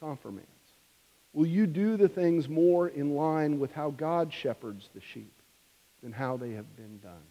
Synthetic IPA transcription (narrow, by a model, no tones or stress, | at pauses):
kɑ̃ɱfə̰˞mæ̰̃ns | wɪlˠjɨdɨðɨθɪ̃ŋzmɔɹɪ̃nlãɪ̃nwɪð̥haʊɡɑdʃɛpə˞dzðɨʃḭp̚ | ðɨ̃nɦaʊðeɪɨvbɨ̃ndʌ̰̃n